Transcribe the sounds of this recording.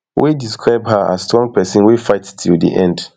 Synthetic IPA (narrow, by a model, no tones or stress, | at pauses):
wʔidiskʰɹaɪbhaa̰stʰɔ̃ŋpɛsə̃nwifaɪttʰildḭʔɛ̰̃nd